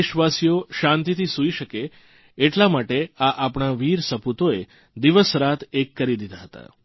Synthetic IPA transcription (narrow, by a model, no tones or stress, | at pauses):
iʃʋasijoʃãnt̪it̪ʰisuiʃəke | eʈlamaʈeaʔapɳaʋiɾsəput̪oe | d̪iʋəsɾat̪ʰekːəɾid̪id̪ʱaɦət̪a̰